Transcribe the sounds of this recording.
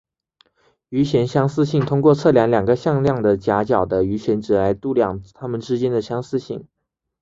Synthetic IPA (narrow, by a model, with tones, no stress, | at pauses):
y˧˥ɕjɛ˧˥nɕjɑ˥ŋsɹ̩˥˧ɕi˥˩ŋt̪ʰʊ˥ŋkwɔ˥˧t͡sʰɤ˥˩ljɑ˧˥ŋljɑ˨˩ŋɡə˦ɕjɑ˥˧ŋljɑ˥˩ŋd̪ə˨t͡ɕja˧˥t͡ɕjɑ˨˩ʊd̪ə˦y˧˥ɕjɛ˧˥nʈ͡ʂɻ̩˨˩la˧˥ɪt̪u˥˧˩ljɑ˥˩ŋt̪ʰa˥mə˨nʈ͡ʂɻ̩˥t͡ɕjɛ˥nd̪ə˨ɕjɑ˥ŋsɹ̩˥˧ɕi˥˩ŋ